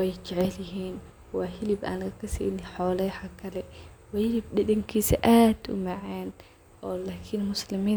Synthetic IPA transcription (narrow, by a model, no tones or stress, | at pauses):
wɛjt͡ʃɛʕɛljɪɦiːn | wɑːɦɪlɪbʔa̰ːnlɣɐkʰɐsḭːnɪħɔːlɛjħakʰɐlɛwɑːhɪlɪb̚ɖɐdɐŋkʰiːsɐ̰ʔaːd̪̥ʊ̰mɐʕɛːn | ʔɔːlaːkʰɪnmʊslɪmiː